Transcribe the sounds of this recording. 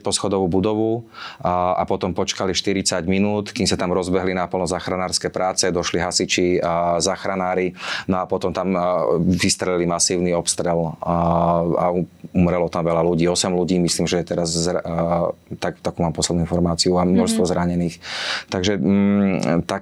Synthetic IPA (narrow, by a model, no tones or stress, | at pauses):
pɔsxɔd̪ɔʋubud̪ɔʋu | a̰pɔt̪ɔmpɔt͡ʃkaliʃt̪iɾit͡saɟminuːt̪kimsat̪amɾɔzbɛɦlinapl̩nɔzaːxɾanaːɾskɛːpɾaːt͡sɛd̪ɔʃliɦasit͡ʃizaːxɾanaːɾinɔapɔt̪ɔmt̪amʋist̪ɾɛlilimasiːʊniɔpst̪ɾɛl | a̰uumɾɛlɔt̪amʋɛlaluɟiːɔsɛmluɟiːmisliːmʒɛjɛt̪ɛɾaz | t̪akt̪akuːmaːmpɔslɛd̪nuinfɔɾmaːt͡siuamnɔʃst̪ʋɔzɾaɲɛniːxt̪aɡʒɛ | t̪a